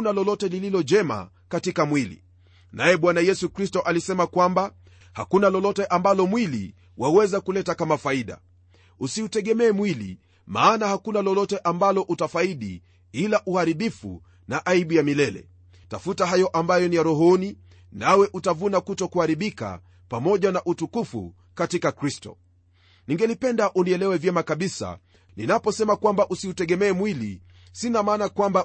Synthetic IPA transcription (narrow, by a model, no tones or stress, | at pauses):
nalɔlɔtɛlililɔd͡ʒɛma̰ | katikamwilḭ | najɛɓwanajɛsukɾistɔʔalisɛmakwamba | ha̰kunalɔlɔtɛʔambalɔmwilḭ | wʔawɛzakulɛtakamafaiɗa̰ | usiutɛɠɛmɛːmwilḭ | ma̰ːnahakunalɔlɔtɛʔambalɔʔutafaiɗḭ | ilaʔuhaɾiɓifṵ | naʔaiɓujamilɛlɛ̰ | tafutaɦajɔʔambajɔnijaɾɔɦɔni | nawɛʔutavunakutɔkuhaɾiɓika̰ | pamɔʄanaʔutukufṵ | katikakɾistɔ̰ | niŋɡɛlipɛndaʔuniɛlɛwɛvjɛmakaɓisa̰ | ninapɔsɛmakwambaʔusiutɛɠɛmɛːmwilḭ | sinamaːnakwamba